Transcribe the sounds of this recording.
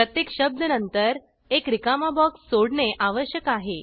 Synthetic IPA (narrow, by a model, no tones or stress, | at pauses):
pɾət̪jekɕəb̚d̪ʱənənt̪əɾ | ekɾikamabɔksːoɽɳeʔaʋəɕjəkaɦe